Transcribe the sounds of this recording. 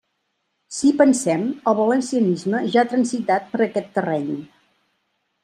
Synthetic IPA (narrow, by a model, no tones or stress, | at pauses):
sipənsɛməlˠβələnsiənizməʒaːt̪ɾənzit̪at̪̚pəɾəkɛt̪ːərɛɲ